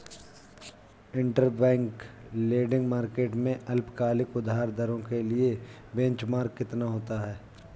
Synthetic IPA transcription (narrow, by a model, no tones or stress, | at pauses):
ɪ̃ɳʈəɾbɛ̃ːŋkleːɖɪ̃ŋɡmaːɾkeːʈmẽʔɐlpkaːlɪkʊd̪ʱaːɾd̪əɾõkelie | bɛ̃ɲt͡ʃmaːɾkːɪt̪naɦoːt̪aɦɛː